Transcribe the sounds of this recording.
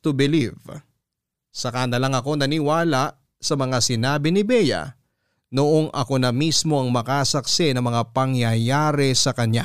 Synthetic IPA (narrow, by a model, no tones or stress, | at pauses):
t̪ʊbɪliv | sɐkand̪ɐlɐŋɐko̞nɐniwaːlɐʔ | sɐmɐŋasɪnaːbɪnɪbɛjɐ̰ | noʔo̞ŋʔɐ̰ko̞nɐmismo̞ʔɐŋmɐkasɐk̚sɪnɐŋmɐŋapɐŋjɐjaːɾɛsɐkɐɲa